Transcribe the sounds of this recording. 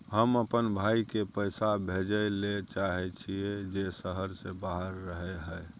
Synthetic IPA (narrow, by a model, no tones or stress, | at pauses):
ɦəməpənbʱaikepəɪsabʱed͡ʒəlet͡ʃaɦɛt͡ʃʰied͡ʒesəɦəɾsebaɦəɾːəɦɛɦəɪ